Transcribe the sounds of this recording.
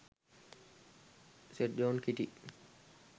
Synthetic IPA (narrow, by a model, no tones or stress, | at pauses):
seʈ̚d͡ʒoːnkiʈi